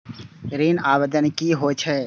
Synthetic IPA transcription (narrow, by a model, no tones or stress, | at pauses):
ɾiːnaːʋəd̪ənkiɦoːt͡ʃʰɦɛː